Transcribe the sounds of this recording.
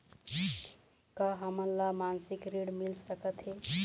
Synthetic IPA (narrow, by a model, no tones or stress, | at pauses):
kaɦəmənlamansikɾiɽmilsəkət̪ɦe